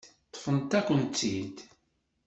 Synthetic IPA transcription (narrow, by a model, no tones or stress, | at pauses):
t̪ˤːfənt̪ækʷːənt̪ːid̪